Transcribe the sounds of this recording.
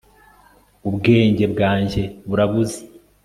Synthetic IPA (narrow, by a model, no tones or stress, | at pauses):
ubɡe̞ːɲɟe̞bɡaːɲɟe̞βuɾaβuze̥